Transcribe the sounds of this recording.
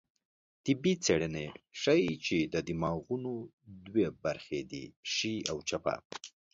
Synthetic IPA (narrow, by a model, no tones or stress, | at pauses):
t̪ɪbit͡seɽəneʂajt͡ʃed̪əd̪ɪmɑɣuno | d̪webaɾxed̪ḭʃiawt͡ʃapa̰